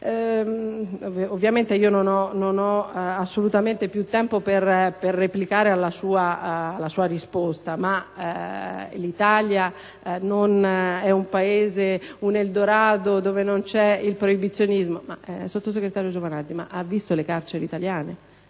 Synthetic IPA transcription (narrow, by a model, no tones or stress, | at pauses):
ɛ | ovːjament̪eiːononɔnonɔasːolut̪ament̪epjut̪ːɛmpoperperːeplikaːɾealːasuːaalːasuːaɾispost̪ama | lit̪alja | nonɛumpaeːzeuneld̪oɾaːd̪od̪oːvenont͡ʃɛilpɾoibit̪sːjonizmoma̰sot̪ːos̬eɡɾet̪aːɾjod͡ʒovanad̪ima̰ʔavːist̪olekaɾt͡ʃeɾḛit̪aljaːne